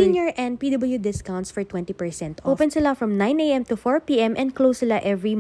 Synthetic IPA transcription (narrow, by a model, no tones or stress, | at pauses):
ĩnjɔɹʔɛ̃n̚pid̪ɐbɐljud̪ɪskãwnt̪sfɔɹt̪wɛ̃nt̪ipɛɹsɛ̃nt̪ʔowpɛ̃nsɪlafɹɐ̃mnãj̃nejɛ̃mt̪ʊfɔɹpiʔɛ̃mʔɛ̃nd̪klowslaʔɛvɹi